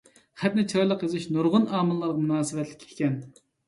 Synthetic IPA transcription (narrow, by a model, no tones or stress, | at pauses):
χɛp̪̚nɪt͡ʃʰɑjlˠəqjezɨʃnuɾʁʊnɑːmɨlːˠɑɾʁɑmunɑːsɨvɛt̪lɪ̥kʲʰːi̥kʲɛn